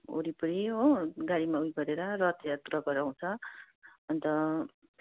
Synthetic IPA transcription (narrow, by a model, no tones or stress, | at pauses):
o̰ɾipʌɾioɡaɽimaujɡʌɾeɾʌrʌt̪jat̪uɾʌɡʌɾaw̃t͡sʰʌ | ʌnt̪ʌ